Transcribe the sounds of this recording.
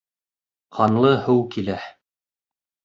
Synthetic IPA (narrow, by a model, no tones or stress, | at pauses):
qʰɑnlˠɤhɘwkilæ